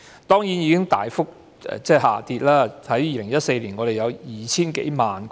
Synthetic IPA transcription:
t̪ɔː˥ŋjiː˨˥njiː˨˧kɪ˥ŋt̪aː˨˩jfʊ˥k̚ | ɛ̰˨˧t͡sɛː˥˩ha̰ː˨˩t̪iː˧t̚laː˥ɐ˨˥jjiː˨lɪ˨˩ŋjɐ˥t̚se˧jliː˨˩nŋɔː˨˧ɾe˨˩jɐ˨˧wjiː˨˩t͡sʰiː˥nkḛ˨˥jmaː˨n

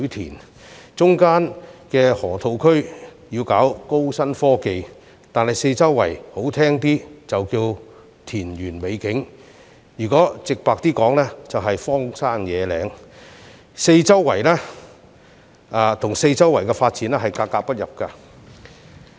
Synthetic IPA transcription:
t̪ʰiː˨˩n | t͡sʊ˥ŋkaː˥nkɛː˧hɔː˨˩t̪ʰo˨˧wkʰɵ˥ɥjiː˧wkaː˨˥wko˥wsɐ˥nfɔː˥ke˨j | t̪aː˨nhɐ˨jse˧jt͡sɐ˥wːɐ̰˨˩jho˨˥wt̪ʰɛː˥ŋt̪iː˥t͡sɐ˨wkiː˧w | t̪ʰiː˨˩nɥyː˨˩nme˨˧jkɪ˨˥ŋ | jyː˨˩kɔː˨˥t͡sɪ˨k̚paː˨k̚t̪iː˥kɔː˨˥ŋlɛː˥t͡sɐ˨wɦɐ˨jfɔː˥ŋsaː˥njɛː˨˧lɛ̰ː˨˧˥ŋ | se˧jt͡sɐ˥wːɐ˨˩jlɛː˥ | aː˨˧t̪ʰʊ˨˩ŋse˧jt͡sɐ˥wːɐ˨˩jkɛ˧faː˧t̚t͡siː˨˥nɛː˥ɦɐ˨jkaː˧kːaː˧k̚pɐ˥t̚jɐ˨˩p̚ka˧

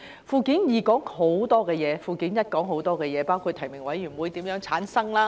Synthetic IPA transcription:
fuː˧kiː˨˥njiː˨kɔː˨˥ŋho˨˥wt̪ɔː˥kɛː˧jɛː˨˧fuː˧kiː˨˥njɐ˥t̚kɔː˨˥ŋɦo˨˥wt̪ɔː˥kɛː˧jɛː˨˧paː˥wkʰu˧t̪ʰɐ˨˩jmɪ˨˩ŋwɐ˨˥jɥyː˨˩˨wuː˨˧jt̪iː˨˥mjœː˨˥ŋt͡sʰaː˨˥nsɐ˥ŋlaː˥

